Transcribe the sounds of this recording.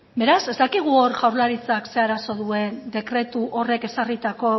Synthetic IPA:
be̞ɾase̞zd̪akiɣ̞uoɾʝawɾlaɾit͡sakse̞aɾaso̞ðue̞nd̪e̞kɾe̞t̪uʔo̞re̞ke̞sarit̪ako̞

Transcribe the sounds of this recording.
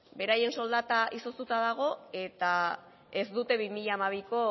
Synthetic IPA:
be̞ɾaje̞nso̞ld̪at̪aʔiso̞st̪ut̪aðaɣ̞o̞e̞t̪a | e̞zd̪ut̪e̞βimiʎaːmaβ̞iko̞

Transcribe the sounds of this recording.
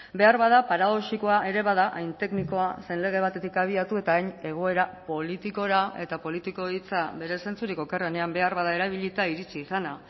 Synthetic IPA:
be̞aɾβað̞apaɾaðosiko̞aʔe̞ɾe̞βaðaʔajnt̪e̞kniko̞ase̞nle̞ɣ̞e̞β̞at̪e̞t̪ikaβ̞iat̪ue̞t̪aːjɲe̞ɣ̞o̞e̞ɾapo̞lit̪iko̞ɾae̞̰t̪apo̞lit̪iko̞it͡saβe̞ɾe̞se̞nt͡suɾiko̞ke̞rene̞ambe̞aɾβaðae̞ɾaβiʎit̪aiɾit͡siːsana

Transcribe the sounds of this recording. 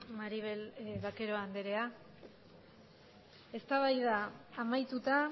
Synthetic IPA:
maɾiβelβake̞ɾo̞and̪eɾe̞a | e̞st̪aβajðaːmajt̪ut̪a

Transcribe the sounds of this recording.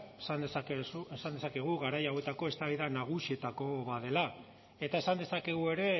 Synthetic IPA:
esand̪eskesuesand̪e̞sake̞ɣ̞uɣaɾajawe̞t̪ako̞e̞st̪aβiðanaɣ̞usie̞t̪ako̞βaðe̞la | e̞t̪ae̞sand̪e̞sake̞ɣue̞ɾe̞

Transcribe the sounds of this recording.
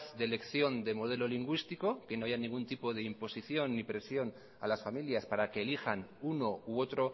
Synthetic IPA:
θd̪e̞le̞kθjo̞nd̪e̞mo̞ð̞e̞lo̞liŋɡwist̪iko̞keno̞aʝanĩŋɡunt̪ipo̞ð̞e̞impo̞siθjo̞nːipɾe̞sjo̞n | a̰lasfamiljaspaɾake̞ːlixanuno̞uo̞t̪ɾo̞

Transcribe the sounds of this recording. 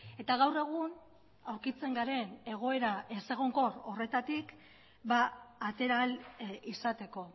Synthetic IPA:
e̞t̪aɣawre̞ɣ̞un | awɾkit͡se̞ŋɡaɾe̞ne̞ɣ̞o̞e̞ɾaese̞ɣ̞o̞ŋko̞ro̞re̞t̪at̪ik | baːt̪e̞ɾalisat̪e̞ko̞

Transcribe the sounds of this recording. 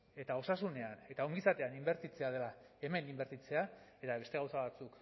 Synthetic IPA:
e̞t̪ao̞sasune̞ane̞t̪ao̞ŋɡisat̪e̞animbe̞ɾt̪it͡se̞að̞e̞la | e̞me̞nimbe̞ɾt̪it͡se̞ae̞t̪aβe̞st̪e̞ɣawsaβat͡suk

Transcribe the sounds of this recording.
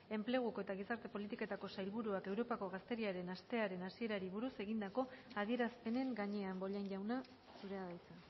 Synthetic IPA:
e̞mple̞ɣ̞ukoe̞t̪aɣ̞isaɾt̪e̞po̞lit̪ike̞t̪ako̞sajlβuɾuake̞wɾo̞pako̞ɣast̪e̞ɾiaɾe̞nast̪e̞aɾe̞nasie̞ɾaɾiβuɾuse̞ɣind̪ako̞aðie̞ɾaspe̞ne̞ŋɡaɲe̞ambo̞ʎanʝawna | suɾe̞aðajt͡sa

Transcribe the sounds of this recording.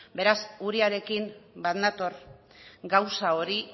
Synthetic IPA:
be̞ɾasuɾiaɾe̞kimbaðnat̪o̞ɾ | ɡawsao̞ɾi

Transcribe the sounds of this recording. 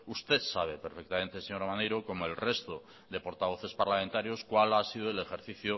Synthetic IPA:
ust̪et̪saβ̞epeɾfek̚t̪amẽ̞nt̪e̞seɲo̞ɾamanejɾoko̞moe̞lre̞st̪o | ðe̞po̞ɾt̪aβo̞θe̞spaɾlament̪aɾjo̞skwalasið̞oele̞xe̞ɾθiθjo

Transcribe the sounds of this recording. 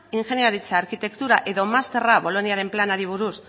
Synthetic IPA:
iŋxe̞njaɾit͡saːɾkit̪e̞kt̪uɾaʔe̞ðo̞mast̪e̞raβo̞lo̞niaɾe̞mplanaɾiβ̞uɾus

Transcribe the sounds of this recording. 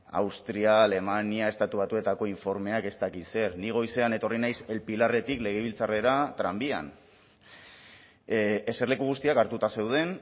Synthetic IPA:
a̰wst̪ɾiaːle̞maniae̞st̪at̪uβat̪ue̞t̪ako̞iɱfo̞ɾme̞ake̞st̪akise̞ɾniɣ̞o̞jse̞ane̞t̪o̞rinajse̞lpilare̞t̪ikle̞ɣ̞eβ̞ilt͡sare̞ɾat̪ɾambia̰n | ese̞ɾle̞kuɣ̞ust̪iakaɾt̪ut̪ase̞wð̞e̞n

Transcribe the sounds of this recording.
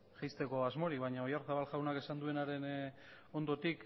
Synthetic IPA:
ʝajst̪e̞ko̞azmo̞ɾikβaɲaojaɾθaβalʝawnake̞sand̪ue̞naɾe̞n | o̞nd̪o̞t̪ik

